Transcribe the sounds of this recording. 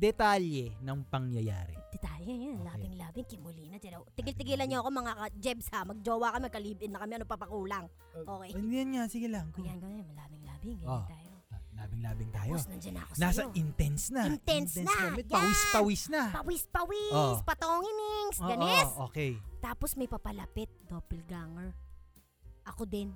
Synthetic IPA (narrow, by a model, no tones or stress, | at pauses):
d̪ɛt̪aljɛnɐŋpɐŋjɐja̰ːɾɛ̰d̥̪ɛt̪alojonlaːbɪŋlaːbɪŋkɪmʊlinɐd͡ʒɛɾowt̪ɪɡɪlt̪ɪɡiːlɐnɲoɐkomɐŋakɐd͡ʒɛbshamɐɡ̚d͡ʒoːwɐkɐmimɐkɐliːbʔɪnnːɐkɐmɛɐnopɐpɐkuːlɐŋ | ʔokɛjɪnd̪iɐnŋasɪɡɪlaŋkjanɡɐmmɐlaːbɪŋlaːbɪŋɡɐt̪aːjolaːbɪŋla̰ːbɪŋt̪a̰ːjosnɐnd͡ʒɐnɐ̰ɐ̰konassɐoʔɪnt̪ɛnsnɐɪnt̪ɛnsnɐɡamɛɡɐwispɐwisnɐpɐwispɐwiospɐt̪oŋɪnɪŋsɡɐnɛsoːkɛjt̪aːposmɐjpɐpɐlɐpɪt̪̚d̪oːpɪlɡaŋɛɹ | ʔɐkod̪ɛn